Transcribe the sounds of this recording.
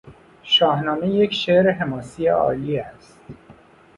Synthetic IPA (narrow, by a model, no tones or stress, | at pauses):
ʃɒːhnɒːmejecʃeʔɾeɦemɒːsijeɒ̰ːliːæst̪